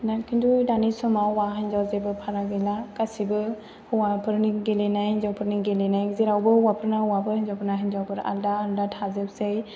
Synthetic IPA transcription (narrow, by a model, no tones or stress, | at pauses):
nakʰindudanisɔmawwaɦajɲzawzebɯpʰaɾaɡejlakasibɯ | huwapʰɯɾniɡelenajnzawpʰɯɾniɡelenajɡziɾawbɯuwapʰɯɾnawabɯind͡ʒawpʰɾnaɦaɲzawbʰɯɾa̰ldaːldatʰazep̚sej